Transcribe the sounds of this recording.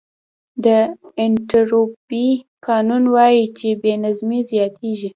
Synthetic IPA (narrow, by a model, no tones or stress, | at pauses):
d̪əɪnʈaɾobikɑnunwɑjit͡ʃebenazmizjɑt̪ʰeʒi